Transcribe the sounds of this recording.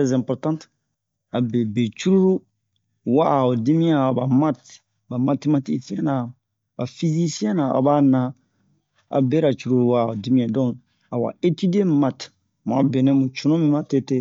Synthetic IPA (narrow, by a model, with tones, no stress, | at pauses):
ɛ˦zɛ̃˨mpɔ˨ɾtã˦nt | a˨be˨be˨t͡ʃu˦ɾu˦ɾu˦ | wa˦˨o˨di˦mĩ˦ã˦˨ba˨ma˦t | ba˨ma˨te˦ma˦ti˦si˦ɛ̃˦na˨ | ba˨fi˦zi˦si˦ɛ̃˦na˨a̰˨ba˦nã˦ | a̰˨be˦ɾa˨t͡ʃu˨ɾu˦ɾu˦wa˦˨o˨di˦mĩ˦ã˨dɔ̃˦ŋ | a˨wa̰˨e˦ti˦di˦e˦ma˨t | mũ˨a˨be˨nɛ̃˦mũ˨t͡ʃũ˨nũ˦mĩ˦ma˦te˦te˦